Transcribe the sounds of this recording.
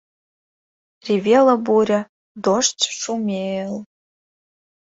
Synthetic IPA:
rʲivʲeləbuɾʲə̆ | d̪oʃt͡sʃumʲel

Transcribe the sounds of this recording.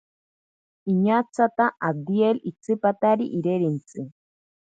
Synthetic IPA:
iɲat͡sat̪aʔad̪ielit͡sɨpat̪aɾiʔiɾeɾint͡sɨ

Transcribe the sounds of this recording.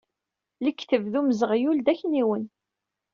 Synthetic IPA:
ləkːθəvðuməzəʁjuld̪æçniwən

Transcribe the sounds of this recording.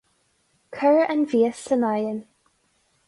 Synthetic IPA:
kʰəɹəʔənviːəsənajən

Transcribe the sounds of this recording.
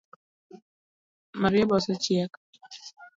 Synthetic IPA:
maɾiabasat͡ʃiaka

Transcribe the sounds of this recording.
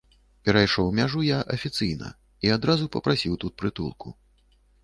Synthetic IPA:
pʲɛɾɐjʂɔwmʲaʐujaʔɐfʲit̪sɨjnɐ̰ | iad̪ɾazupɐpɾasʲiwt̪ut̪̚pɾɨt̪ṵlˠkṵ

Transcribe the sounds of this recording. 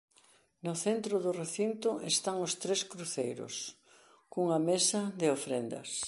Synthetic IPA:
nʊθent̪ɾʊðʊreθint̪ʊest̪aŋʊst̪ɾeskɾuθejɾʊ̰s | kuŋɐmesɐðɪofɾend̪ɐ̰s

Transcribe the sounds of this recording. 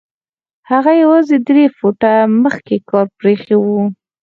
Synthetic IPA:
haɣajawɑzed̪ɾefoʈaməxkekɑɾpɾexewu

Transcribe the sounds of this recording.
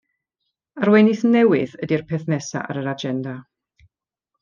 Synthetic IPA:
arwɛnɪθnɛwɪðədirpʰɛθnɛsa̰ʔa̰ɾəɾad͡ʒɛnda

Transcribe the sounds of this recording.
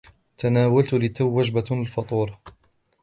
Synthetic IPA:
t̪anaːwalt̪ʊlɪt̪ːawːad͡ʒbalfɑt̪ˤuːɾˤɑ

